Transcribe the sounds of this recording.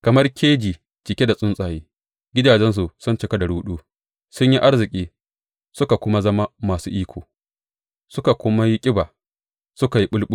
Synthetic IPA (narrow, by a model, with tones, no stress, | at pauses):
kɐ˨mɐ˦rkʰʲeː˦d͡ʒiː˨ | t͡ʃɪ˨kʲe˦da˨sʼʊ˦nsʼaː˨jiː˦ | ɡʲɪ˦daː˨d͡ʒɛ˦ns̬u˨sʊ˦nt͡ʃɪ˨ka˦dɐ˨ɽuː˦ɗuː˦ | sʊ˦ɲji˦ʔa˦rzɪ˨kʲʼiː˦ | sʊ˦ka˨kʷʊ˦ma˦zɐ˦ma˦maː˨suː˦ʔiː˦kʷʰoː˨ | sʊ˦ka˨kʷʊ˦ma˦ji˦kʲʼɪ˦baː˨ | sʊ˦ka˨ji˦ɓʊ˦lɓʊ˦